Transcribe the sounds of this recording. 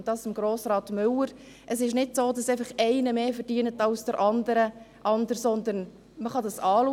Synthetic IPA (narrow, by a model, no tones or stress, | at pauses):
d̥ɑːssɪmɡ̥ɾoːsɾɑːtmʏləɾ | ʔəsɪʃnɪdsoːdɑsɛɪfəχɛɪnəmeːfəɾd̥iːənətɑlsd̥əɾʔɑnd̪əɾəʔɑndəɾsɔnd̪ən | məχɑdɑsɑːlu